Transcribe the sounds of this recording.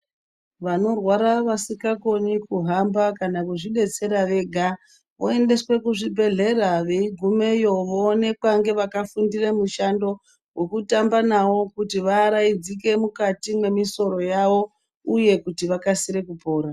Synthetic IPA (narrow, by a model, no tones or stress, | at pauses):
ʋano̞rwaɾaʋasikako̞nikuɦambakanakuʐiɗe̞t͡se̞ɾaʋe̞ɡʱa | ʋoe̞nde̞swe̞kuʐibʱe̞ɮe̞raʋe̞iɡʱume̞jo̞ʋoːne̞kwaŋɡe̞ʋakafundiremuʃando̞ | we̞kutambanawo̞kutiʋaːɾaid͡zike̞mukatimwe̞miso̞ɾo̞jaʋo̞ | uje̞kutiʋakasiɾe̞kupo̞ːɾa